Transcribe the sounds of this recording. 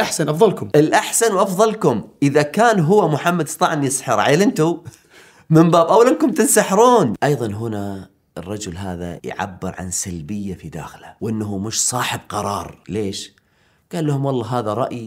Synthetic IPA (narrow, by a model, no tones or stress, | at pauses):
ʔaħsanʔɑfðˤɑlkʊmɪlʔaħsanwʔɑfðˤɑlkʊmʔɪðakaːnɦʊwːamʊħamːad̪st̪ˤɑːʕnjɪsħɪɾˤʕajːlɪnt̪u | mɪmbaːbʔawalɪnkʊmt̪ɪnsaħɾuːnʔɑjðˤɑnɦʊna | ɪrˤːɑd͡ʒʊlɦaːða̰jʕa̰bːɪɾʕa̰nsalbɪjːafid̪a̰ːxlawʔɪnːɦumɪʃsˤɑːħɪb̚qɑɾˤɑːɾˤleːʃ | ɡ̥aːlːahʊmwɑlˤːɑːɦaːðaɾˤɑʔji